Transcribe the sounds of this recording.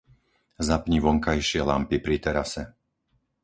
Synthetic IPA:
zapɲiʋɔŋkajʃɪɛla̰mpipɾit̪ɛɾasɛ

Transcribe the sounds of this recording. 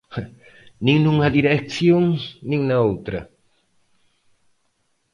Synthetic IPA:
nĩŋnũŋɐðiɾeksjõŋnĩŋnɐowt̪ɾɐ

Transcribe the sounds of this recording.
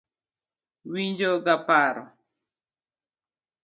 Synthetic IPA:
wiɲd͡ʒoɡapaɾɔ̰

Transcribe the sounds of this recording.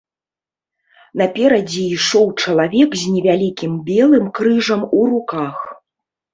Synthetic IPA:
nɐpʲɛɾɐd͡zʲiiʂɔwt͡ʂɐlˠavʲɛkzʲnʲɛvʲalʲikʲimbʲɛlˠɨmkɾɨʐɐmuɾukax

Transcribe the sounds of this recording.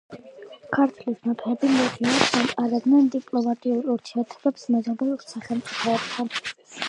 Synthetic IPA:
kʰaɾt̪ʰlisnapʰɛbimuʁiad̪anqʼaɾɛd̪nɛnd̪ipʼlɔmat̪ʼiuɾuɾt̪ʰiɛɾt̪ʰɛbɛpsmɛzabɛsaχɛlˠmt̪sʼipʰɔɛb̚t̪ʰan

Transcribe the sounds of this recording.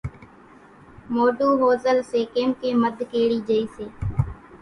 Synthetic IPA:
moːɖuːɦoːzəlseːkeːmkeːməd̪ʱkeːɽiːd͡ʒəiːseː

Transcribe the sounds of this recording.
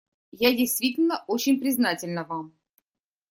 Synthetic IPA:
jadʲɪjst̪vʲitʲɪlʲnəʔot͡ɕɪnʲpɾʲɪznatʲɪlʲnəvam

